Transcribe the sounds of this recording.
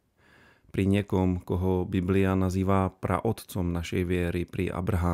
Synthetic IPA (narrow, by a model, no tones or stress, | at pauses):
pɾiɲɪɛkɔmkɔɦɔbiblianaziːʋapɾa̰ʔɔt̪t͡sɔmnaʃɛjʋɪɛɾipɾiʔa̰bɾaɦaː